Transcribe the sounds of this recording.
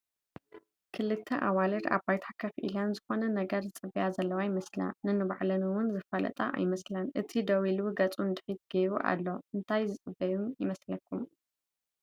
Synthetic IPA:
kʰɨlɨt̪ʰːɐʔawalɨɾa̰bbajt̪ʰakʰɐfʔḭlanzɨxo̞nɐnɐɡɐɾzɨt͡sʼɨbijazɐlːɐwajmɐsla̰nɨnɨβa̰ʕlɐnuwʊnzɨfɐlɐ̰t̪ʼa̰ʔa̰jmɐslɐnʔɨt̪ʰid̪ɐwiluɡɐt͡sʼund̪ɨħit̪ɡɐɾuʔa̰lːo̞ʔɨnt̪ʰajzɨt͡sʼɨbɐjumjɪmɐslɐkʰːum

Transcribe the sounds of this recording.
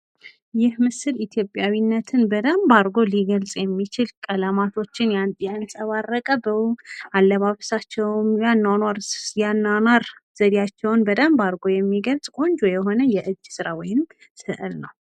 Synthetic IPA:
jɪhmɨsɨlit̪ʰjo̞pʼjawinːət̪ʰɨnbəd̪əmbaɾɡo̞liɡəlsʼjɛmːit͡ʃɪlkʼələmat̪ʰo̞t͡ʃːɪnjanjansʼəβarːəkʼəbəwʔalːəβaβsat͡ʃːɛwmjanːanaɾjanːanaɾz̥əd̪ijat͡ʃːɛwnbəd̪əmbaɾɡo̞jɛmːiɡəlsʼkʼo̞ɲd͡ʒojɛɦo̞nəjɛʔɨd͡ʒːsɨɾawɔjɪm | sɨʔɨlnəw

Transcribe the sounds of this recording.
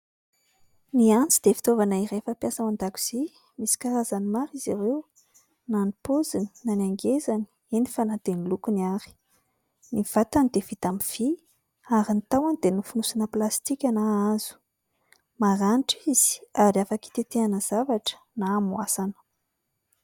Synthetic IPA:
niant͡sid̪̥efi̥t̪ovanaiɾefəpjasawand̪akʲu̥z̥e | misi̥kaɾazanimaɾizaɾew | nanipozini̥nanaŋɡezani̥ | enifanat̪enilukuniaɾi̥ | niv̥at̪anid̪evit̪amiv̥i | aɾinit̪awanid̪enufunusanəplast̪ikʲanaaz̥u̥ | maɾanʈ͡ʂiz̥i̥aɾiafaki̥t̪et̪eanəz̥avaʈ͡ʂə̥naːmuasanə̥

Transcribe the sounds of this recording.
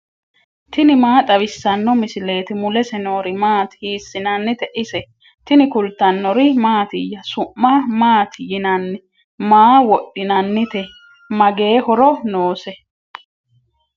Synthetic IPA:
t̪ɪnɪmaːt̪ʼɐβɪsːɐnːɔmɪsɪle̞ːt̪ɪmʊlɛsɛno̞ːɾɪmaːt̪hiːsːɪnɐnːɪt̪ɛʔɪsɛ | t̪ɪnɪkʊlt̪ːɐnːɔɾɪmaːt̪ɪjːɐsʊʔːamaːt̪jɪnɐnːɪ | maːwɔɗːɪnɐnːɪt̪ɛ | mɐɡe̞ːhɔɾɔnoːsɛ

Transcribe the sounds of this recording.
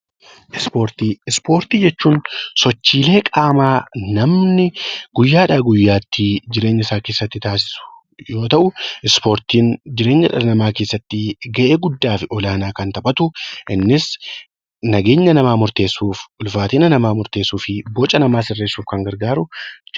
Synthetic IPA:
ʔɪspo̞ːɾt̪iːɪspo̞ːɾt̪iːd͡ʒɛt͡ʃːuːnsɔt͡ʃːiːle̞ːkʼaːmaːnɐmnɪɡ̥ʊjːaːᶑaːɡʊjːaːt̪ːɪd͡ʒɪɾe̞ːɲːɐɪsaːkeːsːɐt̪ːɪt̪aːs̬ɪ̥sʊ̥ | jo̞ːt̪ɐʔʊɪspo̞ːɾt̪iːnd͡ʒɪɾe̞ːɲːɐᶑɐɾɐnɐmaːkeːsːɐt̪ːɪɡɐʔe̞ːɡʊd̪ːaːfɪʔɔlaːnaːkɐnt̪ɐbʼɐt̪ʊʔɪnːɪs | nɐɡe̞ːɲːɐnɐmaːmʊɾt̪e̞ːsːuːfʊlfaːt̪iːnɐnɐmaːmʊɾt̪e̞ːsːuːfɪbɔt͡ʃʼːɐnɐmaːsɪrːe̞ːsːuːfkɐŋɡɐɾɡaːɾʊ

